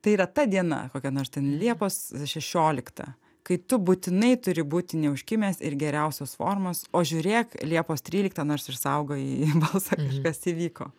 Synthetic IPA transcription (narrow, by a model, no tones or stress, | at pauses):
t̪ɐɪiːɾɐt̪ɐd̪ʲiɛnɐ̰koːkʲɛnoːɾst̪ʲɛnlʲiɛpoːsʃʲɛʃʲoːlʲɪkt̪ɐ̰ | kɐɪt̪ʊbuːt̪ʲɪnɐɪt̪ʊɾʲɪbuːt̪ʲɪnʲɛʊʃʲkʲɪmʲeːsɪ̰ɾɡʲɛɾʲɛʊsʲoːsfo̰ːrmoːsoːʒʲuːɾʲeːklʲiɛpoːst̪ʲɾʲiːlʲɪk̚t̪ɐnoːrsɪrsɐʊɡoːiːbɐlˠsɐkɐʃkɐsiːʋʲiːko̰ː